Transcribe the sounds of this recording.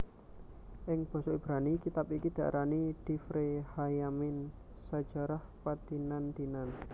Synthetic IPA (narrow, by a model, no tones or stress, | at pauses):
ʔɪŋb̥ɔ̤sɔib̥ɾanikit̪apikid̪̥ä̤ʔɾʔanid̪̥i̤fɾehajamɪn | sad̥ʒ̥a̤ɾahpad̪̥inand̪̥inan